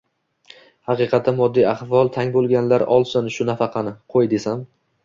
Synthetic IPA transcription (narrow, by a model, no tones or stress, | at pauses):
hɑqɨqʰɑt̪ʰːamɒd̪ːijaχvɒlˠt̪ʰaŋbolˠɡʲanlaɾɒlˠsɪnʃʊnafɑqʰɑnɪqʰojd̪e̞sam